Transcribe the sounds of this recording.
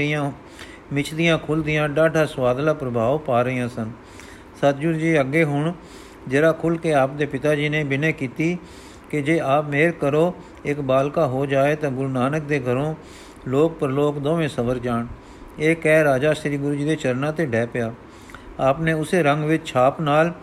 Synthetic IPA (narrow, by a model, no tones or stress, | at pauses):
ɪjãː | mɪt͡ʃʰd̪ɪjãːkʰʊld̪ɪjãːɖaːɖaːsʋaːd̪laːpɾəbʱaːʋpaːɾəːjãːsən | sət̪̚d͡ʒʊɾd͡ʒiːəɡːeːɦʊɳ | d͡ʒeɾaːkʰʊlkeːaːp̚d̪eːpɪt̪aːd͡ʒiːnẽːbɪnẽːkiːt̪iː | kɪd͡ʒeːaːpmeːɾkəɾoː | ɪkbaːlkaːɦoːd͡ʒaːeːt̪ãːɡʊɾuːnaːnəkd̪eːɡʱəɾõː | loːk̚pəɾloːkd̪õːʋẽːsəʋəɾd͡ʒaːɳ | eːkɛːɾaːd͡ʒaːsɾiːɡʊɾd͡ʒiːd̪eːt͡ʃəɾnãːt̪eːɖɛːpɪjaː | aːpneːʊseːɾəŋɡʋɪt͡ʃt͡ʃʰaːpnaːl